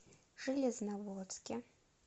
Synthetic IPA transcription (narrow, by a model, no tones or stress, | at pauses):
ʐ̥ɨlʲɛznavɔt̪skʲɪ